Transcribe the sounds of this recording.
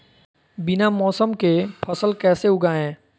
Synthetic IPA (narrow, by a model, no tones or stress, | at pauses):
bɪnamɔːsəmkepʰəsəlkɛːseʊɡaːɛ̃ː